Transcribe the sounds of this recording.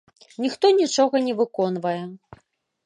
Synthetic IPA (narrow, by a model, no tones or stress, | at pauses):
nʲixt̪ɔnʲit͡ʂɔɣɐnʲɛvɨkɔnvɐjɛ